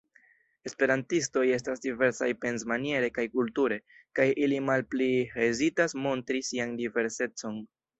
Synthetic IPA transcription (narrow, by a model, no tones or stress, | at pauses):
e̞spe̞ɾantisto̞je̞s̬tasdive̞ɾsajpe̞nzmanie̞ɾe̞kajkultuɾe̞ | kajʔilimalpliezitasmo̞ntɾisiandive̞ɾse̞t͡so̞n